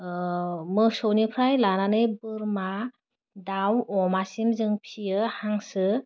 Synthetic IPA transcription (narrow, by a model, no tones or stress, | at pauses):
mɯsownipʰɾajlananɯjbɯɾma | dawɔmasimzɯŋpʰijɯhaŋsɯ